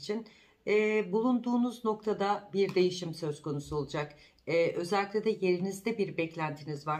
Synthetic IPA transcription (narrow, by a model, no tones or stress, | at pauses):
t͡ʃʰin | ɛːbulˠund̪uːnuzno̞k̚t̪ʰad̪abiɾd̪e̞jiʃimsø̞zkʰo̞nusuo̞lˠud͡ʒak | ɛʔø̞zɛlʲːiclʲɛd̪ʲɛje̞ɾinizd̪ɛbiɾbɛclʲænt̪ʰinizvaɾ